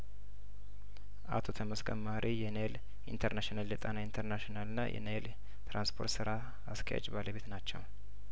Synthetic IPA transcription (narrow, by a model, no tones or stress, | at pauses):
ʔa̰t̪ʰot̪ʰəməskʼʰəmːaɾʔijɛnel | ḭnt̪ʰəɾnaʃinalːɛt̪ʼanaint̪ʰəɾnaʃonalɨnːa̰jʔɛ̰nel | t̪ɾanspʰo̞ɾt̪sɨɾaː | skʰə̰ja̰t͡ʃʼbaləβe̞t̪nat͡ʃːɛw